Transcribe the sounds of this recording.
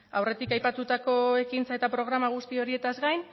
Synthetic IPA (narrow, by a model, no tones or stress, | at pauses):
awre̞t̪ikajpat̪ut̪ako̞e̞kint͡sae̞t̪apɾo̞ɣ̞ɾamaɣ̞ust̪io̞ɾie̞t̪azɡajn